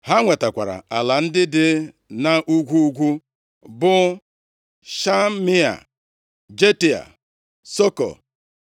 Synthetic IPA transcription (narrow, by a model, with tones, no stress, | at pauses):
ha˦ŋʷe˨ta˨kʷa˨ɾa̰˨a˨la˨n̩˦dɪ˦dɪ˦ | na˨ʔu˦ɡʷu˦u˦ɡʷu˦ | bʊ˦ | ʃa˦mi˦a̰˨ | d͡ʒe˦ti˨a̰˨ | so˦kɔ̰˨